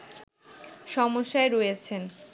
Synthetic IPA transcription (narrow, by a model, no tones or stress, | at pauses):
ʃɔmoʃːaeɾojet͡ɕʰen